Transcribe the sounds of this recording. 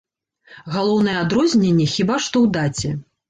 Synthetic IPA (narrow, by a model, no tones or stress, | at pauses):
ɣalˠɔwnɨjɛad̪ɾɔzʲnʲenʲːɛxʲibaʂt̪ɔwd̪at͡sʲɛ